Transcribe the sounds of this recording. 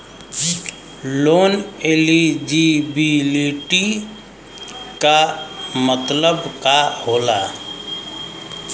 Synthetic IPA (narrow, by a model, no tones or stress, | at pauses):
loːneːlid͡ʒibiliʈi | kamət̪ləbkahoːla